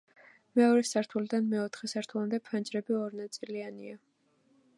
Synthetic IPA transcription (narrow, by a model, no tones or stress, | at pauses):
mɛɔɾɛsaɾt̪ʰulid̪anmɛɔt̪ʰχɛsaɾt̪ʰulˠamd̪ɛpʰand͡ʒɾɛbiɔɾnat̪sʼiliania